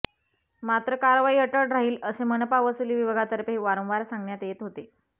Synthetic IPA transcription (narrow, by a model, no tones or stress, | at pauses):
mat̪ɾəkaɾʋaiːəʈəɾʈɾaɦiːləsemənəpaʋəsuliʋiʋəɡat̪əɾpɦeʋaɾə̃w̃ʋaɾsãŋɡɳjat̪jet̪ɦot̪e